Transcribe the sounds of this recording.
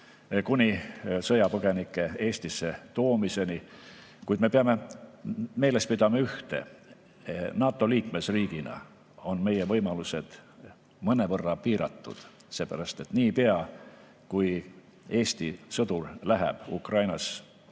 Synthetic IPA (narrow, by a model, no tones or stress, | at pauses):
kunʲisɤjɑpɤɡ̥e̞nikːˑe̞e̞ːsʲt̪isːe̞t̪o̞ːmise̞ni | kujd̪me̞peɑme̞ | me̞ːle̞spid̪̥ɑmɑyht̪e̞̰ | nɑːt̪ːˑo̞liːkme̞sriːɡ̥inɑ̰ | o̞nme̞jevɤjmɑluse̞d̪̥ | mɤne̞vɤrːɑpiːɾɑ̰t̪ːṵd̪̥ | se̞ːpæɾɑst̪e̞t̪niːpeɑ | kuj | e̞ːsʲt̪isɤd̪̥urlæɦɛ̰b̥ṵkrɑjnɑs